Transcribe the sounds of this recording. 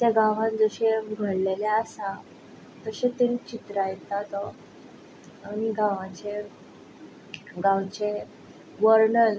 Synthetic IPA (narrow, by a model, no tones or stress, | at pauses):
t̪jaɡaʋ̤ãnd͡zəɕeɡʱəɽleljaəsa | t̪əɕet̪enit͡ɕit̪ɾajet̪at̪ɔ | añiɡãʋãt͡ɕe | ɡãwt͡ɕe | ʋəɾɳəl